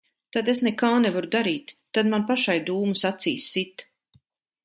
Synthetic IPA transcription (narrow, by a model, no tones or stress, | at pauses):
t̪ad̪esnɛkaːnɛvaɾud̪aɾiːt̪ːad̪manpaʃajd̪uːmusat̪siːsːit̪